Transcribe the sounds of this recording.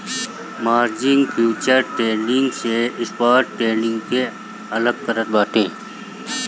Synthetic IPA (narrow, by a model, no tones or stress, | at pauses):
maːɾd͡ʒɪ̃ŋɡfʰjuːt͡ʃəɾʈeːlɪŋɡseɪspaːɾʈʈeːlɪ̃ŋɡke | ɐləɡ̚t̪ɐɾəɾbaːʈʰẽː